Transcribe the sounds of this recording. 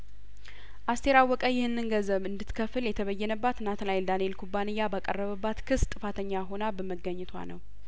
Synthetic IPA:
ʔast̪ʰeɾawːɔkʼəjɪhɨnːɨnɡəzəβɨnd̪ɨt̪kʰəfɨljɛt̪ʰəβəjːɛnəbːat̪nat̪lajld̪anee̞lkʰubːanɨjːabakʼərːəβəbːat̪kʰɨst̪ʼɨfat̪ʰəɲːaɦo̞nabəməɡːəɲːɛt̪ʰwa̰nəw

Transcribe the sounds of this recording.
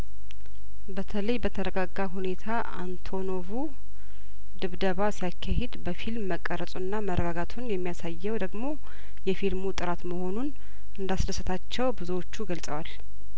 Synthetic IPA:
bət̪ʰələjbət̪ʰəɾəɡaɡːaɦune̞t̪ʰaʔa̰nt̪ʰo̞no̞vu | d̪ɨβd̪əβasijakʰːahed̪bəfilmːəkʼːəɾəsʼunːamərʔəɡaɡat̪ʰunjɛmːijasajːɛwd̪əɡmo̞ | jɛfilmut̪ʼɨɾat̪məho̞nun | ʔɨnd̪asdəsɨt̪ʰat͡ʃːɛwbɨzuwot͡ʃːuɡəlsʼəwal

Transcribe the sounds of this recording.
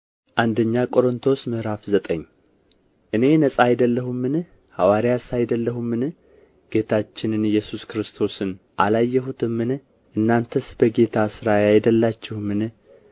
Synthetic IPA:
ʔand̪əɲːakʼo̞ɾɨnt̪ʰo̞smɨhɾafzət̪ʼəɲː | ʔɨne̞nəsʼaːjd̪əlːəhumːɨn | hawaɾijasajd̪əlːəhumːɨnɨ | ɡ̥e̞t̪ʰat͡ʃːɪnɨnɨjːɛsuskɨɾɨst̪ʰo̞sɨn | ʔalajːɛɦut̪ʰɨmːɨn | ʔɨnːant̪ʰəsbəɡe̞t̪ʰasɨɾajajd̪əlːat͡ʃːɪhumːɨnɨ

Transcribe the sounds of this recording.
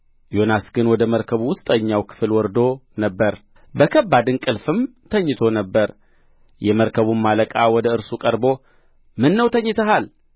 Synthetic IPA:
jo̞nasɡɨnwɔd̪əməɾkʰəβuwʊst̪ʼəɲːawkʰɨ̥fɨlwɔɾd̪o̞nəbːəɾ | bəkʰəbːad̪ɨnkʼɨlfɨm | t̪ʰəɲːɨt̪ʰo̞nəbːəɾ | jɛməɾkʰəβummaləkʼawɔd̪əɨɾsukʼəɾbo̞ | mɨnːəwt̪ʰəɲːɨt̪ʰəɦal

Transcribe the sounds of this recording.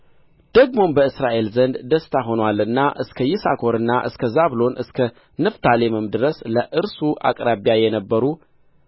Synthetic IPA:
d̪̥əɡmo̞mbəɨsɾaʔe̞lzənd̪d̪əst̪ʰaɦo̞nwalɨnːaʔɨskʰəjɪsa̰kʰo̞ɾɨnːaʔɨ̰skʰəzaβlo̞nʔɨskʰə | nɨft̪ʰalemɨmd̪ɨɾəsləʔɨɾsuʔa̰kʼɾaβijajɛnəbːəɾu

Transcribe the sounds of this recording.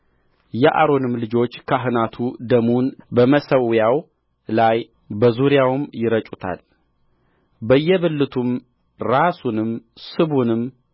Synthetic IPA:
jɛʔa̰ɾo̞nɨmlɨd͡ʒo̞t͡ʃːkʰaɦɨnat̪ʰud̪əmunbəməsəwjaw | laj | bəzuɾijawmjɪɾət͡ʃʼut̪ʰa̰l | bəjːɛβɨlːɨt̪ʰum | ɾasunɨmsɨβunɨmː

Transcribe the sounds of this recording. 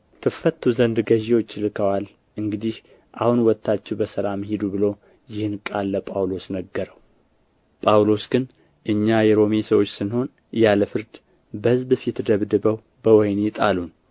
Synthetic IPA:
t̪ʰɨfət̪ʰːuzənd̪ɡəʒewo̞t͡ʃːlɨkʰəwal | ʔɨŋɡɨd̪ih | ʔahunwɔt̪ːat͡ʃːɛbəsəlamhid̪ubɨlo̞ | jɪhɨnkʼalːəpʼawlo̞snəɡːəɾəw | pʼawlo̞sɡɨn | ʔɨɲːajɛɾo̞mesəwot͡ʃːsɨnho̞n | jaləfɨɾd̪ | bəhɨzbɨfit̪ʰːɨd̪əβd̪ɨbəw | bəwɔjnɪt̪ʼalun

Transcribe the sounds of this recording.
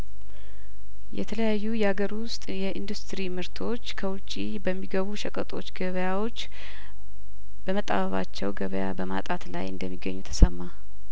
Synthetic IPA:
jɛ̰t̪ʰələjajːujɛhaɡəɾwʊst̪ʼjɛʔind̪ust̪ɾimɨɾt̪ʰo̞t͡ʃːkʰəwʊt͡ʃʼːi | bəmːiɡəβuʃəkʼət̪ʼo̞t͡ʃːɡəβəjawo̞t͡ʃː | b̥əmət̪ʼa̰βəβa̰t͡ʃːɛwɡəβəja̰bəma̰t̪ʼat̪la̰jɨnd̪əmːiɡːəɲːut̪ʰə̥səmːa

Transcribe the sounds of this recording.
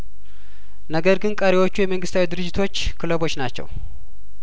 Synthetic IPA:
nəɡəɾɡɨnkʼəɾewo̞t͡ʃːujɛməŋɡɨst̪ʰawid̪ɨɾɨd͡ʒːɪt̪ʰo̞t͡ʃːkʰɨləβo̞t͡ʃːnat͡ʃːɛ̰w

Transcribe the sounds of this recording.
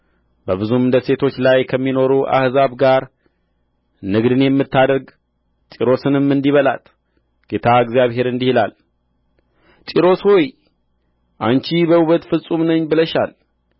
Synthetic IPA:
bəβɨzumɨnd̪əse̞t̪ʰo̞t͡ʃːlajkʰəmːino̞ɾuʔa̰hzaβɡaɾ | nɨɡd̪ɨnjɛmːɨt̪ːad̪əɾɡ | t̪ʼiɾo̞sɨnɨmːɨnd̪iβəla̰t̪ | ɡ̥e̞t̪ʰaɨɡzjaβhe̞ɾɨnd̪ihilal | t͡ʃ̪ʼiɾo̞shoj | ʔant͡ʃibəuβət̪fɨsʼumnəɲːbɨləʃa̰l

